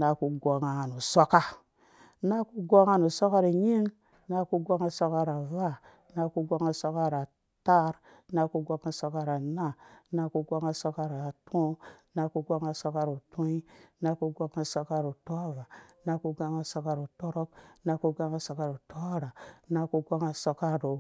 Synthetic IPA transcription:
na˨ku˨ɡʷo˨ŋa˨nu˨so˦ka˦ | na˦ku˦ɡʷo˦ŋa˦nu˨so˦ka˦ɾi˨ɲi˦ŋ | na˦ku˦ɡʷa˦ŋa˦so˦ka˦ɾa˨va˦ | na˦ku˦ɡʷa˦ŋa˦so˦ka˦ɾa˨ | ta˦ɾ | na˧ku˦ɡʷa˧ŋa˦so˧ka˦ɾa˨na˦˨na˦ku˦ɡʷa˦ŋa˦so˧ka˦ɾa˨tʰũ˦na˦ku˦ɡʷa˦ŋa˦˨so˦ka˦ɾu˨tu˦i˦na˦ku˦ɡʷa˦ŋa˦˨so˧ka˦ɾu˨to˦va˨na˦ku˦ɡa˦ŋa˦so˧ka˦ɾu˨to˦ɾo˦k̚na˦ku˦ɡa˦ŋa˦so˨ka˦˨ɾu˨to˦ɾa˨na˦ku˦ɡa˦ŋa˦so˧ka˦ɾu˨

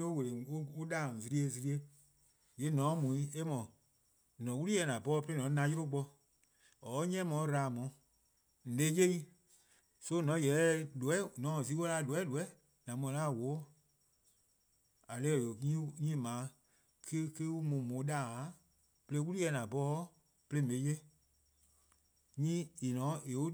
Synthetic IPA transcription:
o˦we˨le˨o˦o˦ɗaː˦˨zi˧ɾi˧˦e˧zi˧ɾi˦e˧ | je˨˦nɔ̃˨˦mũ˨ĩ˦e˦mɔ̃˨ | nɔ̃˨˦wu˦lu˦ɛ˧˦nã˨bɔː˦˧pe˦e˦nɔ̃˨˦nã˧˦jo˦ɾo˦k͡pɔ˧ | ɔ˨˦ɲɛ̃˦mɔ̃˨˦ɾaː˨mɔ̃˨˦ | n̩˨le˨˦je˦i˦ | so˦nɔ̃˨˦jɛ˨˦lu˨ɛ˨˦nɔ̃˨˦˨si˨˦wo˦la˧˦˧lu˨ɛ˨˦lu˨ɛ˨˦ | nã˨˦mɔ̃˧˨˦la˦˨wo˨˦ | a˨lɛː˦˨ɲĩ˦ɲĩː˦˨mãː˨˦ | kʰe˦ke˦wu˦mũ˨mõ˨˦ɗa˦˨˦ | pe˧le˧˦wu˦lu˦ɛ˧˦˨nã˨bɔː˦ | pe˧le˦me˨˦je˦ | ɲĩː˦e˨nɔ̃˨˦e˨u˦

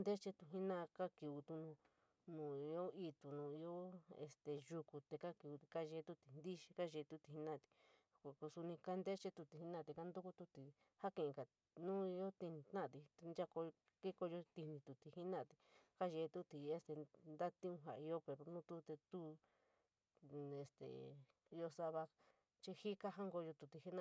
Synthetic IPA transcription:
nd̪e˦t͡ʃe˦t̪u˧ɦi˦nã˦˧ka˦ki˨u˧t̪u˧nũ˧ | nũː˨i˧o˦i˧t̪u˨nũ˨i˧o˦ḛ˧st̪e˨ʒu˧ku˧t̪e˧ka˦ki˧u˧i˧ka˦ʒe˧˦˧t̪u˧t̪i˨nd̪i˦ʃi̥˧ka˦ʒe˧t̪u˧t̪i˧˨hi˦nã˦˨t̪i̥˧ | kʷa˨ku˧su˧nĩ˧ka˦nd̪e˦t͡ʃe˦t̪u˧t̪i˨hi˦nã˦˨t̪e˧ka˦nd̪u˦ku˦t̪u˧t̪i˨ | ha˦kẽ˧˨ẽ˨˧ka˨ | nũ˦i˧jo˦t̪i˧nĩ˧t̪ã˦˨t̪i˧nd͡ʒa˦˧ko˧ | ke˦ko˧jo˧t̪i˧nĩ˧t̪u˨t̪i˨hi˦nã˦˨t̪i̥˧ka˦ʒe˧t̪u˦t̪i˨˧e˧˦st̪e˨nd̪a˦t̪ĩ˦ũ˧ɦa̰˨˧i˧˦o˦pe˧ɾo˧nũ˦t̪u˦t̪e˧t̪u˦ | e˨st̪ḛ˨ | i˧o˧sa˧βa˧ | t͡ʃi˧hi˦ka˦ɦa˦ŋɡo˧jo˧t̪u˨t̪i˧hi˦nã˦˧

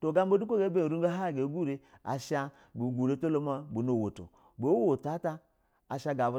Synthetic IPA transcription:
to˨ɡa˦m̩˦bo˦du˦kʷo˦ɡe˨˦be˦˨ɾu˦ɡa˦ɦa˦˨ɡe˨˦ɡu˦˨ɾe˧a̰˨ʃa˧ | bu˨ɡu˨ɾe˦to˦lo˦ma˦bu˨no˨wo˨to̰˨ | bo˨˦wo˨ta˨˦ta˧ | a˨ʃa˧ɡa˨vu˧˦

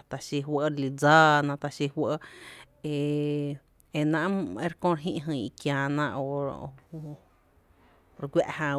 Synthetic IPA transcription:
t̪a˧ʃi˧ɦwə˧ɾli˧d͡zaː˦nã˧t̪a˧ʃi˧hwʷə˧ʔ | e˧˨ | e˧nã˧ʔe˧ɾkõ˦˧ɾɦĩ˧ʔɦɨ̃˧˨i˧kjãː˧nã˧ʔo˧ | ɾkʷja˧ʔhã˧

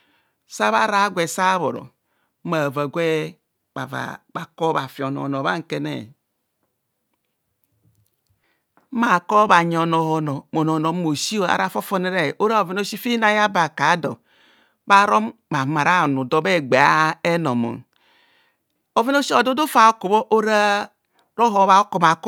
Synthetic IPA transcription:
sa˦βa˦ɾa˨˦ɡʷe˨sa˦βo̰˨ɾɔ̰˨˦ | ma˨va˨ɡʷe˦ | a̰˨va̰˨a˨ko˦βa˨fi˨o˨no̰˨no˨βa̰˦ŋ̩˨ke˦nḛ˨˦ | ma˨ko˦ba˨ɲ˨o˨no˨ho˨no˨mo˨n˨o˨no˨˦mo˨si˦o˦˨a̰˨ɾa˦fo˦fo˦ne˦ɾe˨ʔo˦ɾa˦o˨vi˦n˦o˦si˦fi˦na˦ja˦ba˨ka˨˦do̰˨ | ba˦ɾo˦mba˨ma˨ɾa˦˨nu˨do˦be˦˨ɡ͡be˨a˦e˦no˨mo̰˨n | o˨ve˦no˦si˦o˨do˦do˦fa˨o˦ku˨bo˦ʔo˦ɾa˦ | ɾo˦ɦo˨˦βa˨o˦ko˨ma˨k

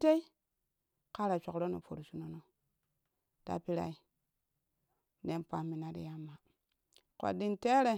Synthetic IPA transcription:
te˦i˦ | ka˦ɾa˨t͡ʃo˨kɾo˦no̰˨po˨ɾu˨su˦no˦no˦ | ta̰˦pi˦ɾa̰˦i˦ | ne˦npa˨mi˨na˦dḭ˨ja˦mːa˨ | ko̰˨di˨nte˦ɾe˨

